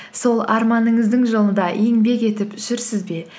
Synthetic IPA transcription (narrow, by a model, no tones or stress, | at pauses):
so̞lˠɑɾmɑnəɴəzd̪əɴʒolˠənd̪ɑʔe̞ŋbe̞ke̞t̪ɪpʏʃɪɾsɪzbe̞